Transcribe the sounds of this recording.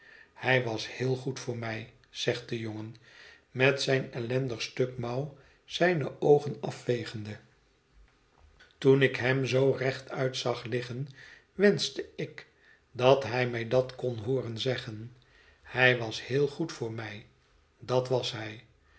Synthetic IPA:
hɛjʋɑshɪːlˠχutfʊːɹmɛj | z̥ɛχt̚dəjoŋən | mɛtsɛjnɛlɛndəχstøkmɑw | z̥ɛjnəʔowχənɑfʋejχənd̪ə | tunɪkɦɛmzowrɛχtʰœɥtsɑχlɪχən | ʋɛnsdəɪk | dɑtɦɛjmɛjdɑtkonɦʊːrənzɛχən | hɛjʋɑshɪːlˠχutfʊːɹmɛj | dɑtʋɑsɦɛj

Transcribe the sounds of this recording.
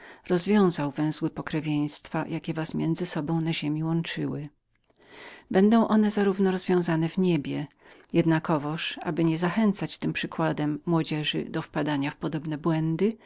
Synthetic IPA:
ɾɔzvʲjɔ̃w̃zawvɛ̃w̃zwɘpɔkɾɛvʲjɛj̃st̪fajʔakʲɛvasmʲjɛnd̪zɘsɔbɔ̃w̃naʑemʲiwɔnt͡ʂɘwɘ | bɛnd̪ɔ̃w̃ʔɔnɛzaɾuvnɔɾɔzvʲjɔ̃w̃zanɛvɲebʲjɛ | jɛd̪nakɔvɔʂa̰bɘɲɛzaxɛnt̪sat͡ɕt̪ɘmpʂɘkwad̪ɛmːwɔd͡ʑɛʐɘ̰d̪ɔfpad̪aɲafpɔd̪ɔbnɛbwɛnd̪ɘ

